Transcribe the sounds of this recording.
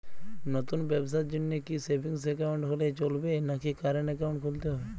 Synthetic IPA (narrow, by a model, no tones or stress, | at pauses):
nɔt̪unbɛbs̬at̪̚d͡ʒʊnːekisebiŋsɛkaʊɳʈɦolet͡ʃolbenakʰikaɾənɛkaʊ̃ɳʈ̚kʰult̪eɦɔe